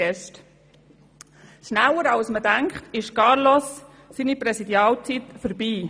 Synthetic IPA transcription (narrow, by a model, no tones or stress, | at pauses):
ɛʃt | ʃnæwəɾɑʊsmədæŋkχt̪ɪʃkɑːɾlosː | iːnipɾɛsid̪jɑːlt͡sit̪fəɾbiː